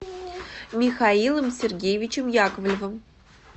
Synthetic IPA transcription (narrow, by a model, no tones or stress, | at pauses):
mʲixɑilˠə̆msʲerɡʲejvʲit͡ɕəmjɑkəvlʲvə̆m